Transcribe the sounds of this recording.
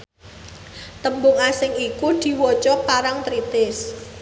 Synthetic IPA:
t̪əmbʊŋasɪŋikud̪̥i̤wɔt͡ʃɔpaɾaŋt̪ɾit̪ɪs

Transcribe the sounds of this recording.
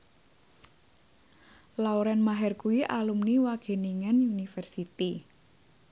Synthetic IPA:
lauɾɛnmaɦɛrkuwiʔalumniwaɡ̥e̤niŋanunifɛrsit̪i

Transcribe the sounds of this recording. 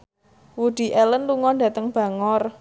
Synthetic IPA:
wuɖ̪̥i̤ʔɛlənluŋɔndä̤t̪əŋb̥a̤ŋɔr

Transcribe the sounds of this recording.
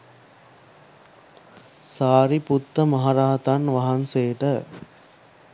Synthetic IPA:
saːɾiput̪ːəmaɦaɾaːt̪anʋaɦanseːʈə

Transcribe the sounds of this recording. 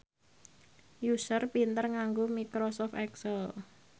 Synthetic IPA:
jusərpint̪ərŋaŋɡomikɾɔsɔft̪ɛksəl

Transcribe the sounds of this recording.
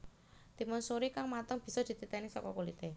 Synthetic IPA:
t̪imʊnsoɾikaŋmat̪əŋb̥i̤sɔd̪̥i̤t̪it̪ɛnisɔ̰kɔ̰kolit̪e

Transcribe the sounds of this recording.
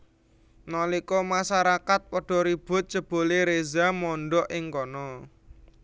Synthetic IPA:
nɔlikɔmasaɾakat̪̚pɔɖ̥ɔ̤ɾib̥ʊ̤t̪̚t͡ʃəb̥o̤leɾezamɔɳɖɔʔɪŋkɔnɔ

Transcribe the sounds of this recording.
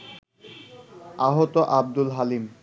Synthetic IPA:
aɦot̪oʔab̚d̪ulɦalim

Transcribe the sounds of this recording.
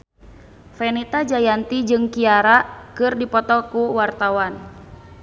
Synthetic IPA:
fɛnit̪ad͡ʒajant̪id͡ʒɨŋkiaɾaʔkɨrdipɔt̪ɔkuwart̪awan

